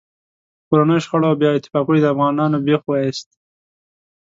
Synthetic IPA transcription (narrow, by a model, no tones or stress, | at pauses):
koɾanəjoʃxaɽobjɑɪt̪ɪ̥fɑkuɽid̪əafɣɑnɑnobexwɑist̪